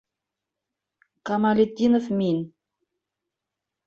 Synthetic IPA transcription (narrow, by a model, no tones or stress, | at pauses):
kɑmɑlʲet̪ʲːinofmʲin